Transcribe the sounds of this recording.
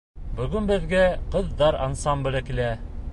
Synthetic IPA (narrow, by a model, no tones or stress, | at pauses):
bɵ̆ɡɵnbɘ̆ðɡæqɤ̆ðd̪ɑɾɑ̰nsɑmblɘkilæ